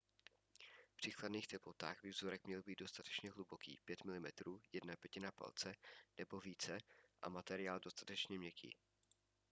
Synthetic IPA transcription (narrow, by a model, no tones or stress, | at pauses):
pr̥iːkladniːxt̪ɛplo̞t̪a̰ːxvɪvzoɾɛkmɲɛlbiːd̪do̞st̪at̪ɛ̥t͡ʃɲɛɦlubokḭːpjɛt̪mɪlɪmɛt̪ɾuːjɛdnapjɛcɪnapa̰lt͡sɛnɛbo̞viːt͡sɛʔa̰mat̪ɛɾɪaːldo̞st̪ḁt̪ɛt͡ʃɲɛmɲɛkʰḭː